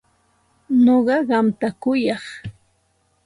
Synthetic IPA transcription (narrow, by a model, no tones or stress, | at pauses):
noɢɑɢɑmt̪akʊjɑχ